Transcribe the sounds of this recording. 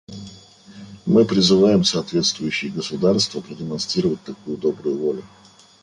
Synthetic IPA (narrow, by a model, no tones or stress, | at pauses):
mɨpɾʲɪzɨvajɪmsɐːt̪vʲe̞t̪st̪vʊjʉɕːɪjəɡəsʊd̪arst̪vəpɾədʲɪmɐnst̪ɾʲiɾəvət̚ʲt̪ɐkujʊd̪o̞bɾʊjʊvolʲʊ